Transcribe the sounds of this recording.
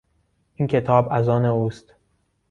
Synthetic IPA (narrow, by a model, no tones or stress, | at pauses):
ʔiːncʰe̞t̪ʰɒːbæzɒːneuːst̪